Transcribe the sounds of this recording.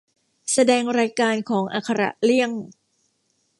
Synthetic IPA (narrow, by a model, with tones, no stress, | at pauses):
sa˧dɛː˧ŋɾaː˧jkaː˧nkʰɔː˩˦ŋʔa̰ː˨˩kʰːa˧ɾa̰˨˩ʔli˥˩əŋ